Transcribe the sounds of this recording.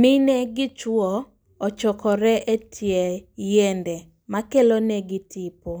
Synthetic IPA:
mɪnɛɡɪt͡ʃwɔ | ɔt͡ʃɔkɔɾɛʔetʰjɛjendɛ | makelonɛɡɪtʰɪpo

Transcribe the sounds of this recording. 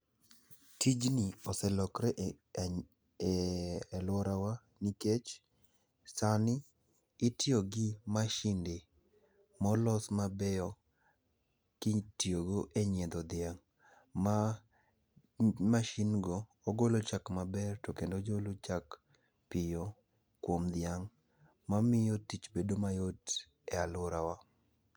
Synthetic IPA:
tid͡ʒniɔsɛlɔkɾɛ | lwɔɾawa | niket͡ʃ | sanɪː | tjoɡɪmaʃinde | mɔlɔsmabɛjɔ | kɪtioɡoʔeɲɛd̪ɔd̪jaŋ | ma | maʃinɡɔːɡolot͡ʃakmabɛrtokendod͡ʒolot͡ʃak | pɪjo | kwomd̪ɪaŋ | mamɪjotit͡ʃbedomajot | ɛalʊɾawa

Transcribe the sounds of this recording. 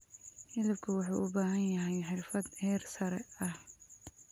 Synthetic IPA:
hɪlɪb̚kʰɐwɑħṵːʔʊbaːɦɐnjɐɦɛjħɪrfɐd̪hɛːrsɐɾɛɐh

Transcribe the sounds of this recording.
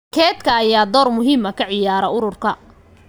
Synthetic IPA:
kʰɛːt̪kʰɐːjaːd̪ɔːrmʊɦiːmɐkʰɐʕɪjaːɾɐʊɾʊrkʰɐ

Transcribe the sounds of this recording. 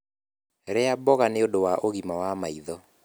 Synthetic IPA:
ɾeabɔɣaneodowaʔoɣimawamaiðɔ

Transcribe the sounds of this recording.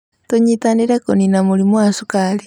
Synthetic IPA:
toɲitaniɾekoninamulimwasukali

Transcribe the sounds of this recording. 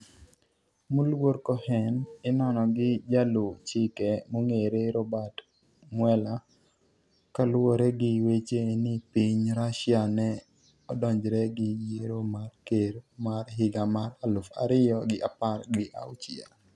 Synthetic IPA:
mulwoɾkɔhɛnɪnɔnɔɡɪd͡ʒalut͡ʃɪkɛmoŋeɾeɾɔbat | mwɛla | kalʊwoɾɛɡɪwet͡ʃenɪpiɲɾaʃɪanɛ | ɔdɔɲd͡ʒɾɛɡɪd͡ʒeɾomarkeɾomarɦɪɡamaɾalʊfa̰ɾɪjɔɡɪʔaparɡɪʔa̰ʊt͡ʃɪa̰

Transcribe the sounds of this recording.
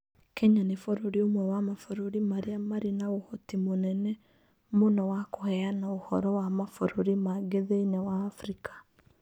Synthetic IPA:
kʰɛɲanefoɾoɾiomwɛwamafoɾoɾimaɾeamaɾinaohɔtimonɛnɛ | monɔwakohɛanaohɔ̰ɾɔwamafoɾoɾimaɡeðeinɛwaːfɾikʰḁ

